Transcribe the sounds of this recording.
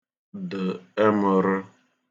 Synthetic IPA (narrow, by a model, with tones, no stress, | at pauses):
dʊ˨e˦mʊ˨ɾʊ˦